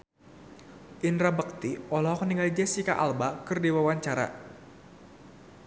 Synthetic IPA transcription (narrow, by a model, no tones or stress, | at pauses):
ʔinɾabək̚t̪iɔlɔɦɔkniŋɡalid͡ʒɛsikaʔalbakɨrdiwawaɲt͡ʃaɾa̰